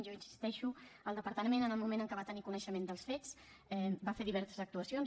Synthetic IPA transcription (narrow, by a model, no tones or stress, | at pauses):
ʒoənsi̥st̪ɛʃuəlˠd̪əpəɾt̪əmenənəlˠmumẽnəŋkəβat̪ənikunəʃəmend̪əlˠsfet͡s | ɛbafeɾðiβɛɾsəzək̚t̪uəsion